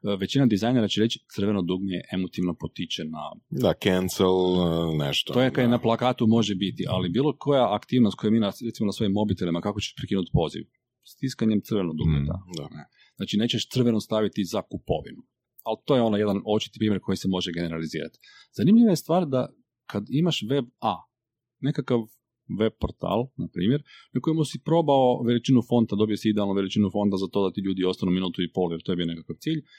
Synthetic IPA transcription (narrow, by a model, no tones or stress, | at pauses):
ʋe̞t͡ɕinad̪izajne̞ɾat͡ɕeɾet͡ʃi̥t̪sɨɾ̩ʋenod̪uɡnijeʔe̞mot̪iʋno̞pot̪it͡ʃena̰d̪akenselˠnḛʃt̪oojekaenaplˠakaːt̪umo̞ʒebit̪iʔa̰libiːlˠo̞kʰo̞jaakt̪iːʋnost̪kojeminaet̪simonaso̞jimːo̞bit̪elimakakot͡ɕeʃpɾekiːnut̪po̞ːzḭʋ | st̪iskaɲemt̪sɾʋenod̪ṵɡnḭt̪a̰ane | znaːt͡ʃine̞ːt͡ɕeʃt̪sɨr̩ʋe̞nost̪aʋit̪izakupo̞̰ʋḭnu | alt̪oːjeo̞naje̞d̪ano̞t͡ʃi̥t̪i̥pɾiːmjeɾkʰo̞jisemo̞ʒeɡe̞ne̞ɾalizḭːɾa̰t̪i̥ | z̥animʎiʋajest̪ʋaːɾd̪a | kʰad̪imaʃʋe̞ba | ne̞kakaʋ | ʋe̞b̚poɾt̪a̰ːlˠnapɾiːmje̞ɾnako̞jimusipɾo̞ːbaoʋelit͡ʃinufo̞nt̪ad̪o̞bijosiid̪ɛalˠnoʋe̞lit͡ʃinufo̞nt̪azat̪o̞ːd̪at̪iːʎuːd̪io̞st̪anuminuːt̪uipo̞ljeɾt̪ojbijo̞ne̞kakaʋt̪siːʎ